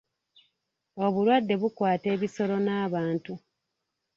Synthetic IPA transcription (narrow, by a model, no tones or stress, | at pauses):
o̞βuɾwadːe̞βukwaːte̞ːβiso̞ɾo̞naːβaːntu